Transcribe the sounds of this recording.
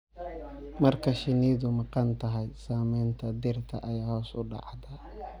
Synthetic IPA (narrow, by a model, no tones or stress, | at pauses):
mɐrkʰɐʃɪniːðʊmɑqɑnt̪ʰɐɦɛjsaːmɛjnt̪ʰɐd̪ɪrt̪ʰɐ̰ʔɐjaːhɔːsʊɖɑ̰ʕd̪ɐ